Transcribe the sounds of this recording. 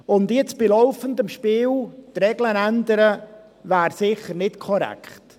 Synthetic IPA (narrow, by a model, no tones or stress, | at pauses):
ʊndjɪt͡sb̥ɪlɔʊfəndəmʃpiːlt̪ɾɛɡlənændəɾə | væːɾsɪχəɾnɪtkʰɔɾɛ̰kχt